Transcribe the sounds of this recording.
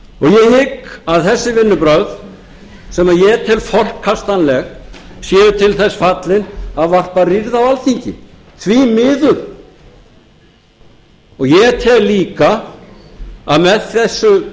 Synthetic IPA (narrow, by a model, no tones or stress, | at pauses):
ɔɣjɛhɪkaðθɛsːɪvɪnːʏpɾœɣð | sɛmaðjɛɛɾt̪ʰɪlfɔr̥kʰːast̪anlɛɣsjɛːðʏt̪ʰɪlθɛsfat̪lɪnaðvar̥pariɾðawalθiɲcɪ | θʰvimɪːðʏɾ̥ | ɔɣjɛɛɾt̪ʰɛðliːka | aðmɛðθɛsːʏ